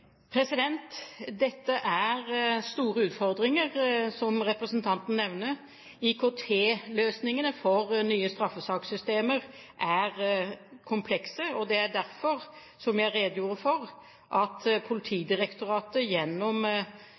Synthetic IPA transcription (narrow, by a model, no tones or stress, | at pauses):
pʰɾɛsɪd̪ɛnt̪d̪ɛt̪ːəʔæɾst̪uːɾəʉːt̪fɔɾd̪ɾɪŋəʁsɔmɾɛpɾəsənt̪ʰɑnt̪n̩nɛʋnə | ɪkʰoːt̪ʰeːløːsnɪŋənəfɔɾnyːəst̪ɾɑfːəsɑːksʏst̪eːməʁʔæʁkʰʊmpʰlɛksəɔd̪ɛæɖ̪æɾfɔʁ | sɔmjæɾeːd̪əjuːɾəfɔʁ | ʔɑt̪pʰʊlɪt̪ʰiːd̪ɪɾɛkt̪ʊɾɑːt̪əjɛnːɔm